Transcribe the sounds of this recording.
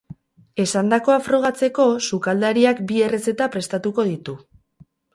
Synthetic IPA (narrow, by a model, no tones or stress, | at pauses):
e̞sand̪ako̞afɾo̞ɣ̞at͡se̞ko̞sukald̪aɾiakbie̞re̞se̞t̪apɾe̞st̪at̪uko̞ð̞it̪u